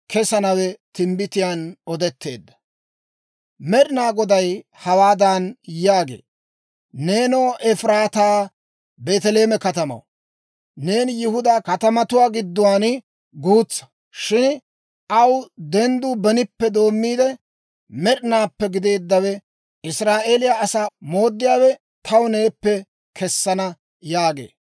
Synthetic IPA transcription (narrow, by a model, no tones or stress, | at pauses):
kɛsɐnɐwɛt̪ɪmbɪt̪ɪjaːnɔd̪ɛt̪ːe̞̰ːd̪ːɐ̥ | mɛɗɪnaːɡɔd̪ɐjhɐwaːd̪aːnjaːɡe̞̰ː | neːnoːʔɛfɾaːt̪aː | be̞ːt̪ɛle̞ːmɛkɐt̪ɐmɐ̰w | ne̞ːnjɪhʊd̪aːkɐt̪ɐmɐt̪ʊwaːɡɪd̪ːʊwaːn | ɡuːt͡sːɐ̥ | ʃɪn | ɐwd̪ɛnd̪ʊbɛnɪpːɛd̪o̞ːmːiːd̪ɛ | mɛɗnaːpːɛɡɪd̪e̞ːd̪ːɐwɛ | ɪsɾaːʔeːlɪjaɐsaːmo̞ːd̪ːɪjaːwɛ | t̪ʰɐwne̞ːpːɛ | kʰɛsːɐnɐ | jaːɡḛː